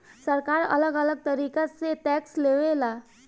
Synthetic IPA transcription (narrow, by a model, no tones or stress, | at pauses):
səɾkaːɾɐ̰ləɡələɡ̚t̪əɾiːkaseʈɛːksleʋelaː